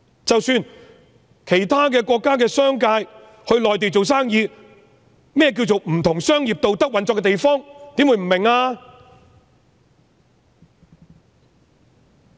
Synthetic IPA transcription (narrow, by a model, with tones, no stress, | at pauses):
t͡sɐ˨wsyː˧n | kʰe˨˩jt̪ʰaː˥k̬ɛː˧kʷɔː˧kːaː˥kɛː˧sœː˥ŋkaː˧j | hɵ˧ɥlɔː˨jt̪e˨˩t͡so˨wsaː˥ŋjiː˧ | mɛː˥jɛː˨˧k̬iː˧wt͡so˨wm̩˨˩t̪ʰʊ˨˩ŋsœː˥ŋjiː˨p̚t̪o˨wt̪ɐ˥k̚wɐ˨˧nt͡sɔː˧kːɛ˧t̪e˨jfɔː˥ŋt̪iː˨˥mwu˨˧jm̩˨˩mɪ˨˩ŋaː˧